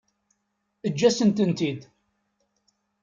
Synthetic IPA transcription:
əd͡ʒːæsənt̪ənt̪id̪

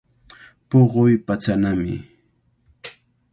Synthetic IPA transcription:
poɢojpat͡sanamɪ̰

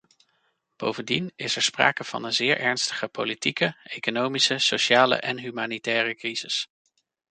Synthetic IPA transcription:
b̥o̰wvəndinɪsɛɹspra̰ːkəv̥ɑ̰nənzɪːɹʔɛɹnstə̥χəpo̰litikəejkonowmisəsoʃaːlə̰ʔɛnɦymaːnitɛːrəkriz̥ɪs

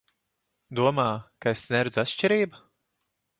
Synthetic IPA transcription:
d̪uɔmaːkaesnʲɛɾud̪zat̪ʃt͡ʃʲiɾiːba

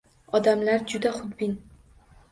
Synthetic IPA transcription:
ɒd̪amlaɾd͡ʒʊd̪aχʊd̪bɪn

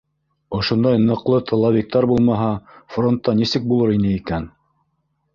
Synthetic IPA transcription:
ŏʃŏnd̪ɑjnɤ̆qlˠɤt̪ʰɤ̆lˠɑβʲik̚t̪ɑɾbulˠmɑɦɑfront̪ːɑnisɘk̚bulˠɤɾinɘikæn

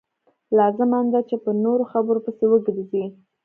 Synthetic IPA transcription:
lɑzɪmand̪at͡ʃepənoɾoxabəɾopəsewəɡɾzi

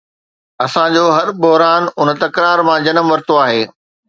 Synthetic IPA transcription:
ɐsãd͡ʑoːɦɐɾbʊɦɾaːnʊn̆t̪ɐkɾaːɾmãd͡ʑɐnəmʋɐɾt̪oaːɦeː

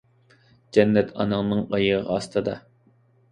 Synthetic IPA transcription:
d͡ʒɛnːɛt̪ʰɑ̰nɨŋnɨŋɑjəʁɑst̪ɨd̪ɑ

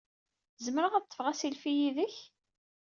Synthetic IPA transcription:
zəməɾəʁæðt̪ːə̥fʁæsilfijiðəç

